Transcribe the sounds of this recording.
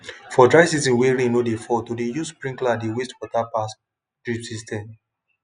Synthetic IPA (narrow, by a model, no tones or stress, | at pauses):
fɔdɹaɪsizɔ̃nweɹĩnodefɔtodejuspɹĩŋkladewestwɔtapas | tɹipsistʰɛ̃m